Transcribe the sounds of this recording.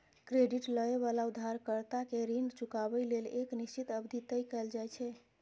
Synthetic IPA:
kɾeɖiʈləeβalaud̪ʱːaɾkəɾt̪akeɾinɖt͡ʃukabəleleknist͡ʃit̪əbd̪ʱit̪əjkɛld͡ʒajt͡ʃʰɛ

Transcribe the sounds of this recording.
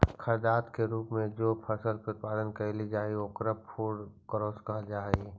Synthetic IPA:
kʰəɾd̪aːt̪keɾuːpmẽd͡ʒoːpʰəsəlpɾʊt̪̚paːd̪ənkəlid͡ʒaːiokɾəppʰuːɽkəɾoːskɐɦd͡ʒaːe

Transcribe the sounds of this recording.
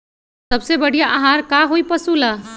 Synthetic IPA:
sɐbsebɐɽ̤ijaʔaɦaːɾkaɦoipɐsula

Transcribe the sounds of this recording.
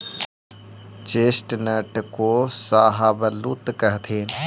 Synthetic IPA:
t͡ʃeːsʈnəʈkoːsaːɦaːbəluːt̪kəɦt̪ʰeːn

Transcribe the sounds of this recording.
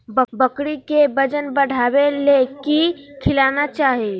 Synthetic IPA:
bəbəkɽikebəd͡ʒənbəɽ̤ʱabelekikʰilanat͡ʃaɦe

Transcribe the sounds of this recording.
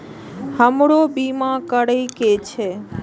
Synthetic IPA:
həmɽobimãkəɽəjket͡ʃʰe

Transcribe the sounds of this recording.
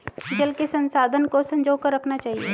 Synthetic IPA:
d͡ʒɐlkesɐ̃nsaːd̪ʱənkosɐ̃ɲd͡ʒoːkəɾːɐkʰnat͡ʃaːɦiḛː

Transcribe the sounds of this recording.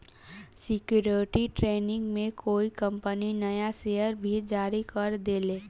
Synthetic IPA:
sɪkjuːɾʈiʈɾeːnɪ̃ŋɡmẽkoːikɐ̃mpəninɐjaʃeːjəɾbʱid͡ʒaːɾikəɾd̪eːleː

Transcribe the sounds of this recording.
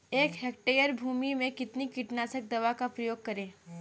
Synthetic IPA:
eːkɦɛːk̚ʈeːjəɾbʱuːmimẽkɪt̪nikɪʈnaːsək̚d̪ɐʋakapɾɐjoːɡ̚kɐɾẽː

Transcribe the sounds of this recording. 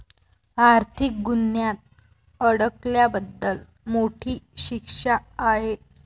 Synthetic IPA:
aɾt̪ʰik̚ɡunjat̪̚ | əɽəkljabəd̪ːəl | moʈʰiːɕikʂaːɦe

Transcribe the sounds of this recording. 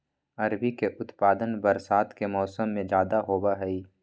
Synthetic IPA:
ɐɾbikeʔʊt̪paːd̪ənbɐɾsaːt̪kemɔːsəmːẽd͡ʒjaːd̪aɦoːbaɦɛiː

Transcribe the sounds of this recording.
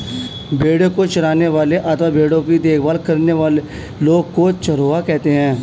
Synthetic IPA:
bʱeːɽokot͡ʃɐɾaːneʋaːleʔat̪ʋabʱeːɽõkid̪eːkʰbaːlkɐɾneʋaːle | loːɡkot͡ʃɐɾoːakɛɦt̪eɦɛ̃ː

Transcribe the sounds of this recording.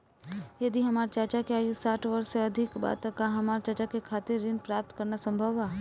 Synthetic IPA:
jɐd̪iɦɐmaːɾt͡ʃaːt͡ʃakeaːjusaːʈʰʋəɾseɐd̪ʱɪkba̰t̪əkaɦɐmaːɾt͡ʃat͡ʃakekʰaːt̪ɪɾːɪnpɾaːp̚t̪kəɾnasə̃mbʱəʋaː

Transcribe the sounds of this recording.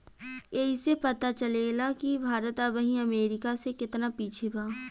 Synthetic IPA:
eɦisepɐt̪at͡ʃəlelakibʱaːɾət̪əbəɦĩɐmeːɾɪkasekɪt̪napiːt͡ʃʰebaː

